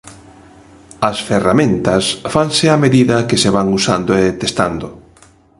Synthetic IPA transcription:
ɐsferamẽnt̪ɐsfaŋsɪameðiðɐkeseβaŋusand̪oet̪est̪and̪ʊ

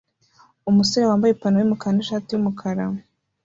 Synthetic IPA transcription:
umusoɾewaːmbajepanojumukaneʃaːtijumukʰaɾa

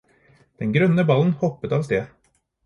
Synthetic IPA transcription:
d̪̥ɛnɡɾœnːəbɑlənhɔpːət̪ɑːʋst̪eː

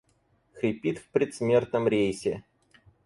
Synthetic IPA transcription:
xɾʲɪpʲit̪fpɾʲɪt̪smʲe̞rt̪nəmɾʲejsʲɪ

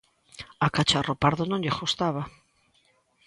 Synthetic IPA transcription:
akat͡ʃaropaɾðonõŋʎɪxost̪aβa

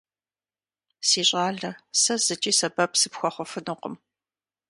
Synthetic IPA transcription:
siːɕʼɑːɮɐsɐz̥ɨt͡ʃʼiːsɐbɐpsɨpxʷɔχʷʊfɨnɨqə̰m

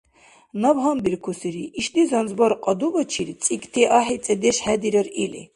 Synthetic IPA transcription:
nabɦambiɾkʰusiɾiʔːʃd̪izanzbɔɾqʼɔd̪ubɔt͡ʃʰiɾit͡sʼikʼt̪ʰiʔaħit͡s̪ʼɛd̪ɛʃħɛd̪iɾəɾilḭ

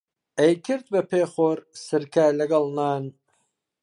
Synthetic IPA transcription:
ejkʰɪɾt̪̚bɐpʰeːxoːɾsɨɾkʰaːlɐɡɐlˠnaːn

